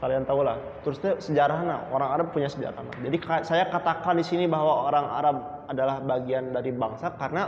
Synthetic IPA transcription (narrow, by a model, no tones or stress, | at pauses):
kaliant̪aulah | t̪ɾʊst̪asəd͡ʒaɾaɦna̰oɾaŋaɾab̚puɲasəd͡ʒa̰ɾa̰hna̰d͡ʒadikasajakat̪akandisinibaɦwaoɾaŋa̰ɾab̚adalahbaɡiandaɾibaŋsakarəna